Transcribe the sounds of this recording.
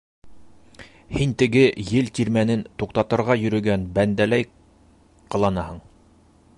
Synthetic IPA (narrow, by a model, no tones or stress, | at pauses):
hint̪ɘ̆ɡɘjɘlt̪ʲiɾmænɘnt̪uqt̪ɑt̪ɤ̆ɾʁɑjɵ̆ɾɵ̆ɡænbænd̪ælæj | qɤ̆lˠɑnɑhɤɴ